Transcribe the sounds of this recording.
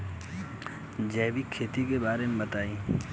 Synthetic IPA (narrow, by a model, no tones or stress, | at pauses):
d͡ʒɛːbikʰeːt̪ikebaːɾemẽbɐt̪aːĩː